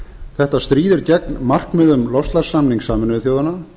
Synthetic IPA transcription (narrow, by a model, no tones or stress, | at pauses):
θɛht̪ast̪ɾiːðɪɾcɛk̚nmar̥knmɛðʏmlɔfst̪laɾ̥sːamniŋsaːmɪnvɪθjoːwðana